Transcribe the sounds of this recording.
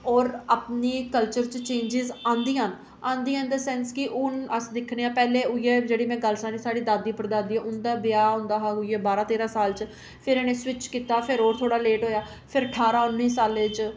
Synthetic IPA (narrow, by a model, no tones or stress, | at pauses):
ɔːɾaːpniːkəlt͡ʃəɾt͡ʃt͡ʃẽːɲd͡ʒɪzãːnd̪iːɦan | ãːnd̪iːãnd̪əsɛ̃ːnskɪʔʊnəsd̪ɪkʰneːãːpɛːleːʊieːd͡ʒeːɽiːmɛ̃ːɡəlsaːniːsaːɽiːd̪aːd̪iːpəɾd̪aːd̪iːãːʊnd̪aːbɪjaːɦʊ̃ːnd̪aːɦaːɡʊieːbaːɾãːt̪eːɾãːsaːlt͡ʃ | pʰɪɾɛːnẽːswɪt͡ʃkiːt̪aːpʰɪɾoːɾt̪ʰoːɽaːleːʈɦoːjaː | pʰɪɾəʈʰaːɾaːʊnːiːsaːlet͡ʃ